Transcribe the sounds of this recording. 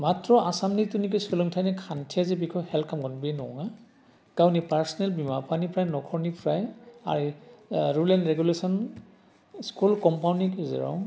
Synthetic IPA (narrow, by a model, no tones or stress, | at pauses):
matɹɔʔasamnitunikɔselɔŋtʰajnɛkʰantʰijazɛbikʰɔjhɛltʰkʰamɡɔnbenɔŋa | kawnipaɹsɔnɛlbimapʰanipɹajnɔkʰɔɹnipɹaja̰ɹiɹulɛnɹɛɡulesɔn | skulkɔmpawnikzɛ̰ɹɔ̰w